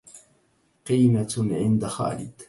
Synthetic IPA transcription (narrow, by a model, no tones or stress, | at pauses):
qiːmaʕɪnd̪axa̰ːlɪ̰d̪